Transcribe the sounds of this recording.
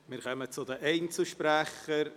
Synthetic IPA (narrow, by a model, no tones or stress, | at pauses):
mɪːɾkʰœmət͡sʊdəʔeɪnt͡sl̩ʃpɾæχəɾ